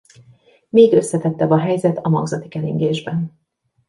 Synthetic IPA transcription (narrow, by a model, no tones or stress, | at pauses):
meːɡø̞sːɛt̪ɛt̪ːɛbɒɦɛjzɛt̪ɒmɒ̰ɡzɒt̪i̥kɛliŋɡeːʒbɛn